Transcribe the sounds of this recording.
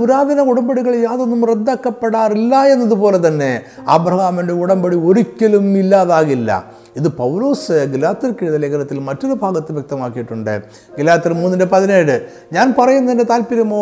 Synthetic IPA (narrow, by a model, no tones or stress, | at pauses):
uɾaːðɐnɐuɽɐmbɐɽiɣɐɭjaːðonːumred̪ːaːkːɐpːeɽaːrilːɐe̞nːɐðupo̞ːle̞t̪ɐnːe̞ɐ̰bɾɐhaːmɐndeuɽɐmbɐɽioɾikʲːɐlumilːaːðaːɣilːɐ̰ | iðɨpɐwloːsɨɡilaːt̪ːɐɾkiɻuðɐleːkɐnɐt̪ːilmɐtːɐðɨbʱaːɡɐt̪ːɨʋjɐk̚t̪ɐmaːkːijiʈːuɳɖɨ̰ | ɡilaːt̪ːirmuːnːɐndepɐðine̞ːɽɨ | ɲaːnpɐrɐjunːɐðindet̪aːlpiɾɐmoː